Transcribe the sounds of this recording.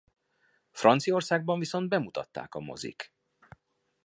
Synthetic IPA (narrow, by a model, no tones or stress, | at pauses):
frɒnt̪sio̞rsaːɡ̚bɒɱviso̞nd̪̚bɛmut̪ɒt̪ːa̰ːkɒmo̞̰zḭk